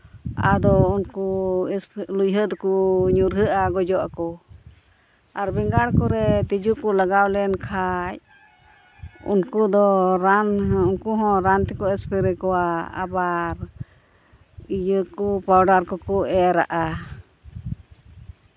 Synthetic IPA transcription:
a̰d̪ɔunkusplujɦəd̪kuɲuɾɦəʔaɡɔd͡ʒɔʔakɔ | aɾbiŋɡaɽkɔɾɛt̪id͡ʒukulaɡawlɛnkʰaj | ṵnkud̪ɔɾanɦunkuɦɔ̃ɾant̪ɛkɔɛspɛɾɛkɔwaa̰baɾ | ijəkupawɖaɾkɔkuɛɾa̰ʔa

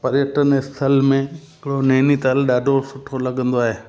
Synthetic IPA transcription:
pɐɾjəʈənest̪ʰɐlmẽɪɪkɪɽoneːnit̪ɐlɗaːɖʱosʊʈʰːolɐɠə̃nd̪oaːɦeː

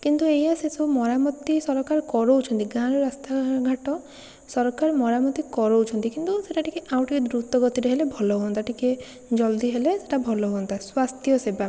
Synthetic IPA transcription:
kint̪uejasesumɔɾamɔt̪ːisɔɾɔkaɾkɔɾout͡ʃʰɔnt̪iɡaɾɔɾast̪aɡʱaʈɔ | sɔɾɔkaɾmɔɾamɔt̪ikɔɾout͡ʃʰɔnt̪ikint̪useʈaʈikeʔawʈʰiked̪ɾut̪ɔɡɔt̪iɾeɦelebʱɔlɔɦoɔnt̪ʰaʈike | d͡ʒɔld̪ʱiɦelese̥ʈabʱɔlɔɦont̪ʰaswast̪jɔseba

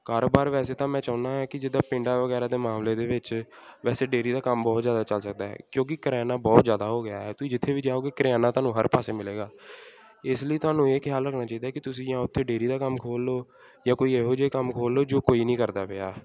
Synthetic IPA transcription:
kaːɾoːbaːɾʋɛːseːt̪ãːmɛ̃ːt͡ʃaːʊ̃naːɦɛːkɪd͡ʒɪd̪ːaːpɪ̃ɳɖaːʋəɡɛːɾaːd̪eːmãːmleːd̪eːʋɪt͡ʃʋɛːseːɖeːɾiːd̪aːkəmbɔːt̪zjaːd̪aːt͡ʃəlsək̚d̪a̰ːɦɛ̰ːkjõːk̬ɪkəɾaːnaːbɔːt̪zjaːd̪aːɦoːɡɪjaːɦɛːt̪ʊĩːd͡ʒɪt̪ʰːeːʋiːd͡ʒaːoːɡeːkəɾejaːnãːt̪oaːnũːɦəɾpaːseːmɪleːɡaː | ɪsləiːt̪ʊaːnũːeːkʰjaːlɾəkʰnãːt͡ʃaːiːd̪aːɛkɪt̪ʊsĩːjãːʊt̪ʰːeːɖeːɾiːd̪aːkəmkʰoːlːoː | jãːkoːiːeːɦoːd͡ʒeːkəmkʰoːlːoːd͡ʒoːkoːiːnĩːkəɾd̪aːpea̰ː

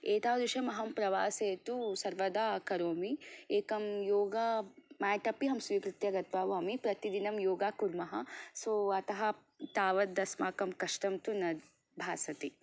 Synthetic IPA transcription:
eːt̪aːd̪uʃɐmɐɦɐmpɾɐʋaːseːt̪usɐɾʋɐd̪aːkɐɾoːmieːkɐmjoːɡaːmaːʈɐpiɦɐmsʋiːkɾit̪jɐɡɐt̪̚baːʋɐːmipɾɐt̪id̪inɐmjoːɡaːkuɾmɐɦɐsoːɐt̪ɐɦɐ | t̪aːʋɐd̪ːɐsmaːkɐmkɐʃʈɐmt̪unɐd̪ | bʱaːsɐt̪i

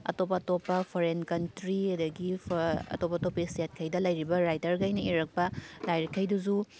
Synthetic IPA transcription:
ɐ̰top̬ːɐːtopːɐpʰoɾenkɐntɾiɐdɐɡipʰɐ̰topːɐtopːɐiset̚kʰɐjdɐlɐjɾibɐɾajtɐɾɡɐjnɐiɾɐk̚pɐdajɾekʰːɐjduzu

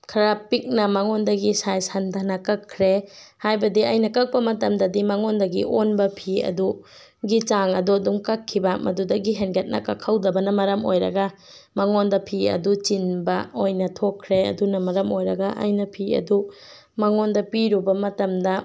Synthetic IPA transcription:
kʰɐɾapik̚nɐmɐŋondɐɡisajsandanɐkɐkʰːɾehajbɐdiɐjnɐkɐk̚pɐmɐtɐmdɐdimɐŋondɐɡiʔonbɐpʰiɐ̰du | ɡit͡ʃaŋɐduɐduŋkɐkʰːibɐmʔɐdudɐɡiɦenɡet̚nɐ̰kːɐkʰːɐwdɐbɐnɐmɐɾɐmo̰jɾɐ̰ɡɐ | mɐŋondɐpʰiɐ̰dut͡ʃinbɐojnɐtʰokʰːɾeɐ̰dunɐmɐɾɐmojɾɐɡɐʔɐ̰jnɐpʰiɐ̰du | mɐŋondɐpiɾubɐmɐtɐmdɐ

